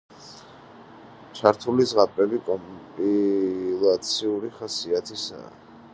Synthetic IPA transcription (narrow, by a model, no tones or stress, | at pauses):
t͡ʃʰaɾt̪ʰulizʁapʼɾɛlikʼɔmpʼilˠat̪sʰiuɾiχasiat̪ʰisa̰ː